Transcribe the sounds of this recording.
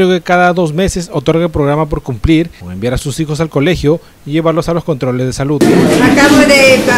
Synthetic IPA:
ɾeoke̞kaðaðo̞sme̞se̞so̞t̪o̞ɾɣaelpɾo̞ɣ̞ɾamap̬o̞ɾkumpliɾembjaɾasusixo̞s̬alko̞le̞xjo | iʝe̞βaɾlo̞salo̞sko̞nt̪ɾo̞le̞zðe̞saluakaβoðe

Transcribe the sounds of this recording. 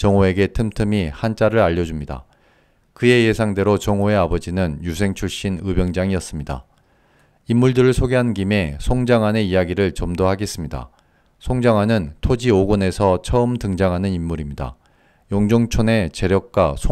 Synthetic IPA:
t͡ɕʌŋoe̞ɡe̞tʰɯmtʰɯmihant͡ɕ͈aɾɯɾaʎːʌd͡ʑumɲida̰ | kɯe̞je̞sʰaŋde̞ɾot͡ɕʌŋoe̞abʌd͡ʑinɯnjusʰe̞ŋt͡ɕʰuɭɕ͈inɯbjʌŋd͡ʑaŋiʌs͈ɯmɲida̰ | imːuɭdɯɾɯɭsʰoɡeɦannɡime̞sʰoŋd͡ʑaŋɦane̞ijaɡiɾɯɭt͡ɕʌmdoɦaɡe̞s͈ɯmɲida̰ | sʰoŋd͡ʑaŋwanɯntʰod͡ʑioɡone̞sʰʌt͡ɕʰʌɯmtɯŋd͡ʑaŋɦanɯnimːuɾimɲida̰ | joŋd͡ʑoŋt͡ɕʰone̞t͡ɕe̞ɾjʌk̚k͈wasʰ

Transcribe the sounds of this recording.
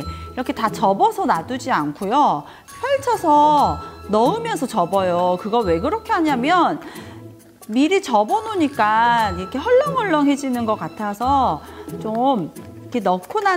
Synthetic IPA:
iɾʌkʰe̞tat͡ɕʌbʌsʰʌnadud͡ʑiankʰojo | pjʌɭt͡ɕʰʌsʰʌnʌɯmjʌnsʰʌt͡ɕʌbʌjokɯɡʌwe̞kɯɾʌkʰe̞ɦaɲamjʌn | miɾit͡ɕʌbʌnoɲik͈aiɾʌkʰe̞ɦʌɭːʌŋɦʌɭːʌŋɦe̞d͡ʑinɯnɡʌk͈atʰasʰʌt͡ɕomikʰe̞nʌkʰuna

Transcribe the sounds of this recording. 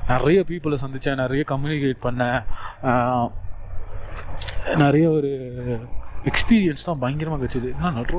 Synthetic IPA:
nɪɾɐjɐpiːpːɯlɐsɐnd̪ɪt͡ʃːɛ̃ːnɪɾɐjɐkɐmjuːnɪkeːʈ̚pɐɳːɐ̃ | nɪɾɐjɐɔɾɯ | ɛkspiːɾɪjɐnst̪ãːbɐjɐŋɡɪɾɐmaːkɐt͡ʃːɯðɯɪðɐnːaːnɐʈr

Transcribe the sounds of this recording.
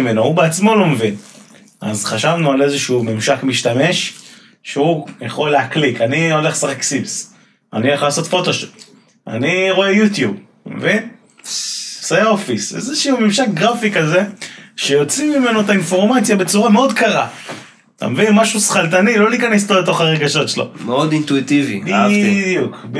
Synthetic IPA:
me̞noubeat͡smo̞lo̞mevin | ʔa̰zχaʃavnuale̞zeʃumemʃakmiʃt̪ame̞ʃ | ʃeujaχo̞lːeaklikanio̞le̞χsaʁeksibs | a̰nieχlaːso̞t̪fo̞t̪o̞ʃo̥t̪ | a̰niʁo̞e̞jut̪jub | mḛvin | sajaofisḛzeʃuumimʃak̚ɡʁafikaze̞ʃejo̞t͡simime̞noet̪ainfo̞ʁmat͡sjabe̞t͡suʁameo̞d̪kaʁa | t̪a̰mevinmaʃusχalt̪anilo̞likanest̪obet̪o̞χaʁeɡaʃo̞tʃelo̰meod̪int̪uit̪ivibidjukb

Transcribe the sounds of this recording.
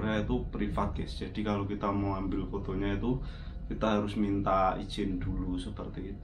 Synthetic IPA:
ɾait̪upɾifat̪̚ɡ̥ɛsd͡ʒadikalokit̪amoambɪlfot̪oɲait̪u | kit̪aɦaɾʊsmint̪aḭ̥d͡ʒɪndulusəpərt̪iːt̪

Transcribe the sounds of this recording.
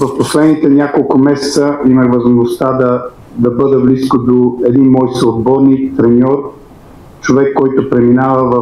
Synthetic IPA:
zɐfposlɛd̪nit̪ɛnʲakolˠkʊmɛsɛ̥t̪səimɐɣvɐzmoʒnost̪ad̪ɐ | d̪ɐbɤd̪ɛbliskod̪oɛd̪inmɔjsoːd̪̚bɔɾnit̪ɾɛnʲɔɾ | t͡ʃovɛkːɔjt̪opɾɛminavəvɐ

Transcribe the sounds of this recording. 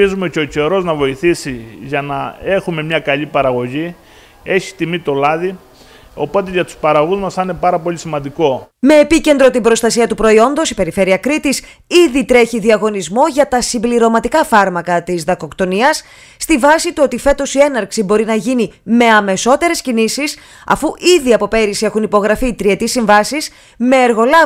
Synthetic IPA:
izumeceoce̞ɾo̞znɐvo̞iθisiʝɐnɐe̞xume̞mɲɐkɐʎipɐɾɐɣo̞ʝi | e̞çi̥t̪imit̪o̞lɐði | o̞̰po̞t̪eʝɐt̪u̥spɐɾɐɣuzmɐsɐinepɐɾɐpo̞lʎisimɐnd̪iko̞me̞ːpice̞nd̪ɾo̞t̪ibɾo̞st̪ɐsiɐt̪upɾo̞io̞nd̪o̞sipe̞ɾife̞ɾiɐkɾit̪is | iðit̪ɾe̞çiðiɐɣo̞nizmo̞ʝɐt̪ɐsimbliɾo̞mɐt̪ikɐfɐɾmɐkɐt̪izðɐko̞kt̪o̞niɐsː | t̪ivɐsit̪uo̞t̪ife̞t̪o̞sie̞nɐɾksibo̞ɾinɐʝinime̞ɐme̞so̞t̪e̞ɾe̞scinisis | ɐ̰fuʔiðiɐpo̞pe̞ɾisiexunipo̞ɣɾɐfit̪ɾie̞t̪isiɱvɐsis | me̞ːɾɣo̞lɐ

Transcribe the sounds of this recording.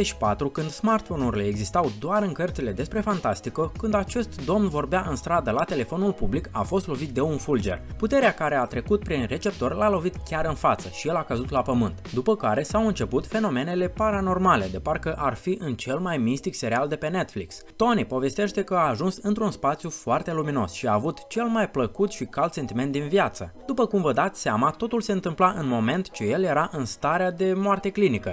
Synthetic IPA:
eʃi̥pat̪ɾukɨnd̪smart̪fo̞nurileːɡzist̪awd̪oaɾɨŋkərt̪sile̞d̪e̞spɾe̞fant̪ast̪ikəkɨnd̪at͡ʃe̞st̪d̪o̞mnvo̞rbeaʔɨnst̪ɾad̪əlat̪e̞le̞fo̞nulpublika̰fo̞st̪lo̞vit̪̚d̪e̞unfuld͡ʒe̞̰rput̪e̞ɾeakaɾe̞at̪ɾe̞kut̪̚pɾinre̞t͡ʃe̞p̚t̪o̞rlalo̞vit̪kʲaɾɨnfat̪səʃije̞lakəzut̪lapəmɨnt̪d̪upəkaɾe̞sawɨnt͡ʃe̞put̪fe̞no̞me̞ne̞le̞paɾano̞rmale̞d̪e̞parkəʔarfiʔɨnt͡ʃe̞lmajmist̪ikse̞ɾiald̪e̞pe̞ne̞t̪fliks | t̪o̞nipo̞ve̞st̪e̞ʃt̪e̞kəaːʒunsɨnt̪ɾunspat̪sjufoart̪e̞lumino̞̰sʃiaːvut̪t͡ʃe̞lmajpləkut̪ʃikalt̪se̞nt̪iment̪d̪inviat̪sə̰d̪upəkumvəd̪at̪sʲseamat̪o̞t̪ulse̞ɨnt̪ɨmplaʔɨnmo̞me̞nt̪t͡ʃeje̞lje̞ɾaʔɨnst̪aɾead̪e̞moart̪e̞klinikə

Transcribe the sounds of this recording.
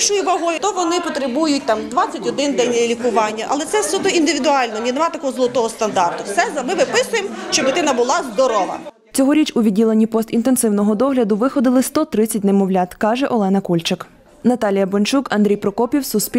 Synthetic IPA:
ʃʊjiʋɐɦɔjʊt̪ɔʋɔnɪpɔt̪ɾɪbujʊtʲt̪ɑmd̪ʋɑt͡sʲːɐtʲɔd̪ɪnd̪ɛnʲːɔjɛlʲikʊʋɑnʲːɐʔɐ̰lˠɛt̪sɛsʲud̪ɔind̪ɪʋʲid̪ʊɑlʲnɔnʲinemɑt̪ɐkɔɦɔzlˠɔt̪ɔɦɔst̪ɐnd̪ɑrt̪ʊsɛzɐmɪʋɪpɪsʊjemʃt͡ʃɔbɪt̪ɪnɐbʊlˠɑzd̪ɔɾɔʋɐ̰ | t͡sʲɔɦɔɾʲit͡ʃʊʋʲidʲilˠenʲːipɔst̪int̪e̞nsɪwnɔɦɔd̪ɔɦlʲɐd̪ʊʋɪxɔd̪ɪlˠɪst̪ɔt̪ɾɪt͡sʲːɐtʲnemɔwlʲat̪kɑʒɛʔɔlˠɛnɐkulʲt͡ʃɪk | nɐt̪ɑlʲijɐbɔnʲt͡ʃukɐnd̪ɾʲijpɾɔkɔpʲiwsʊspʲi

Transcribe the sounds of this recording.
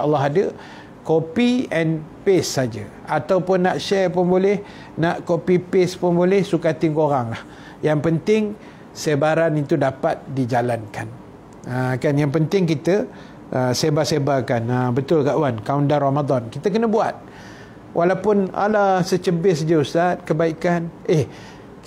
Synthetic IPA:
ɑlːɑɦadə | kopiɛnpesːad͡ʒə | at̪awpʊnːaʔʃɛrpʊnbolɛh | naʔkopipɪspʊnbolɛhsukat̪ɪnkoɾaŋlah | jaŋpənt̪ɪŋ | səbaɾanit̪udapat̪̚did͡ʒalankan | əkanjaŋpənt̪ɪŋkit̪ə | ʔəsebasebakanəbət̪ʊlkaʔwankaundaramad̪ɔnkit̪əkənəbuat̪̚ | wʔalawpʊna̰lasət͡ʃəbɪsəd͡ʒəust̪at̪̚kəbaikanʔɛh

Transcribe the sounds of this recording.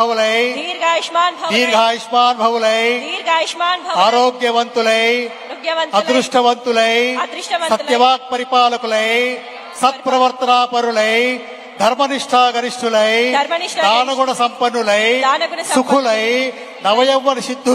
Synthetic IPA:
ɐʋɐlɐjɾɡaaːnʱd̪iːɡʱaːjiʂmaːnbʱɐʋulɐjɡaːnʱaːɾoːɡjɐʋɐnt̪ulɐj | ɐɐɾuʂʈʰɐʋɐnt̪ulɐj̪ | sɐjɐʋaːk̚pɐɾipaːlɐkulɐj | sɐt̪̚pɾɐʋɐɾt̪ɐnaːpɐɾulɐj | d̪ʱɐɾmɐniʂʈʰaːɡɐniʂʈʰulɐjɾnd̪aːnɐɡuɳɐsɐmpɐnːulɐjɐɐsukʰulɐj | nɐʋɐjɐʋːɐnʃid̪ʱː

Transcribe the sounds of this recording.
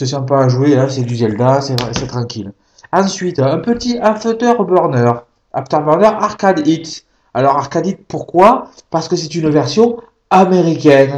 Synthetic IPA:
səsɛ̃paːʒueɛ̃sɛd̪yzɛld̪asɛsɛt̪χɑ̃kʲil | ɑ̃sɥit̪ɛ̃pət̪iaft̪œʁbɔʁnœʁ | a̰ft̪œʁbɔʁnœʁaʁkad̪it̪ | alɔʁaʁkad̪it̪puʁkwa | paʁsə̥kəsɛt̪ynvɛʁsjɔ̃ | ameʁikʲɛn

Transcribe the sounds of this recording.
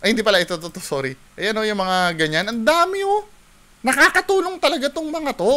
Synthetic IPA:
ʔɐjhɪnd̪ipɐlaʔɪt̪ot̪ot̪osoɾiʔɐjɐno̞jʊŋmɐŋaɡɐɲanʔɐnd̪aːmɪo | nɐkaːkɐt̪uːnoŋt̪ɐlɐɡat̪oŋmɐŋat̪o

